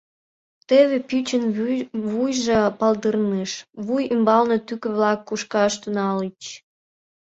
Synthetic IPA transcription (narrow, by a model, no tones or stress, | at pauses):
t̪eβepyt͡ɕənβujʒepɑld̪ərneʃβujymbɑlnet̪ykə̆βlɑkːuʃkɑʃt̪unɑlit͡ɕ